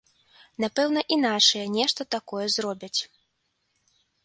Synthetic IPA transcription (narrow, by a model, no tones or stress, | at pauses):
napɛwn̪ɐʔinat͡ʂɨjɐnʲɛʂt̪ɐt̪akɔjɛzrɔbʲɐt͡sʲ